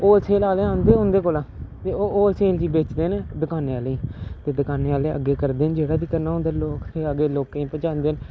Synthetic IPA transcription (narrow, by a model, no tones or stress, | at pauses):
oːsʰeːlaːleːãːnd̪eːɦʊ̃nd̪eːk̬oːlãːt̪eːooːseːld͡ʒiːbeːt͡ʃd̪eːned̪əkaːneːaːliːt̪eːd̪əkaːneːaːleːə̰ɡeːkəɾd̪eːnd͡ʒeːɽaːd̪iːkənaːɦʊ̃nd̪aːloːkt̪ʰeːəɡeːloːkẽĩːpət͡ʃãːnd̪eːn